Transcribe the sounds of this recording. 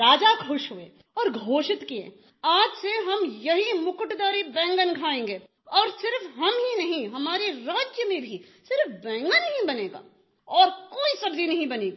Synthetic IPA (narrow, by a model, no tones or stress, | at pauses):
ɾaːd͡ʒakʰʊʃɦuḛː | ɔːɾɡʱoːʃɪt̪kiḛ̃ː | aːd͡ʒseɦɐmjɐɦimʊkʊʈd̪aːɾibɛ̃ːŋɡənkʰaːẽːŋɡeː | ɔːɾsɪɾfɦɐmɦinɐɦĩɦɐmaːɾeɾaːd͡ʒjəmẽbʱi | sɪɾfbɛ̃ːŋɡənɐɦĩbɐneːɡa̰ː | ɔːɾkoːisɐbd̪inɐɦĩbɐneːɡiː